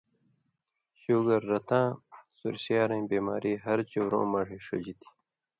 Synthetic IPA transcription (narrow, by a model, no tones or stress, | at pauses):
ɕuːɡɐɾːɐt̪ãːsṵɾɕaːɾẽːbeːma̰ːɾiːɦɐɾt͡ɕowɾõ̰ːmɐɽiːʂṵd͡ʑit̪ʰi̥